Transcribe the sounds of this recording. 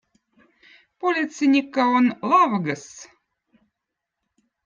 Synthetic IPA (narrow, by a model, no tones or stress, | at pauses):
polʲit̪sinʲikːaonlˠɑʋɡəs